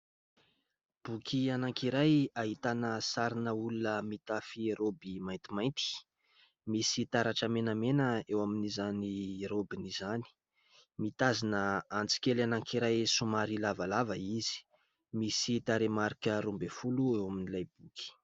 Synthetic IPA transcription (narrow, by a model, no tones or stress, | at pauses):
b̥ukʰianaŋkiɾajaɦit̪anəsaɾinəulunəmit̪afieɾobimajnt̪imajnt̪i̥ | misit̪aɾaʈ͡ʂəmenəmenəewaminizaniɾobinizani̥ | mit̪azinəant͡si̥kʲelanaŋkiɾajsumaɾilavalavəizi̥ | misit̪aɾemaɾikəɾumbefuluewaminilajbukʰi̥